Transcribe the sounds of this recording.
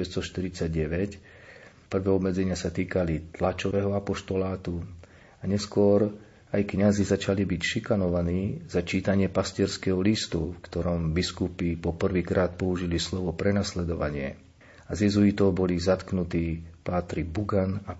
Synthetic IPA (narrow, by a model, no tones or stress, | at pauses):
ɛsst̪ɔʃt̪iɾit͡saɟɟɛʋɛc | pr̩ʋɛːɔbmɛd͡zɛɲɪasat̪iːkalit̪lat͡ʃɔʋɛɦɔapɔʃt̪ɔlaːt̪u | aɲɛskʊɔɾ | ajkɲazizat͡ʃalibicʃikanɔʋaniːzat͡ʃiːt̪aɲɪɛpascɪɛɾskɛɦɔlist̪ufkt̪ɔɾɔmbiskupipɔpr̩ʋiːkɾaːt̪̚pɔuʒilislɔʋɔpɾɛnaslɛd̪ɔʋa̰ɲɪɛ̰ | azɛzuit̪ɔbɔlizat̪knut̪iːpat̪ɾibuɡana